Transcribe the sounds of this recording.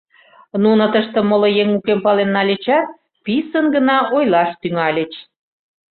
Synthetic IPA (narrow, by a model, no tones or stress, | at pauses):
nunət̪əʃt̪ə̆molŏjeŋukempɑlenːɑlʲet͡ɕɑt̪̚ | pisənɡənɑʔojlɑʃt̪yŋɑlʲə̆t͡ɕ